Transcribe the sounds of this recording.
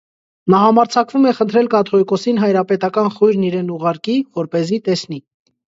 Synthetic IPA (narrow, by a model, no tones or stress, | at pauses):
nɑɦɑmɑɾt͡sʰɑkvumɛχənt̪ʰɾɛlkɑt̪ʰɔikɔsinɦɑjɾɑpɛt̪ɑkɑnχɔjɾniɾɛnuʁɑɾkivɔɾpɛzit̪ɛsni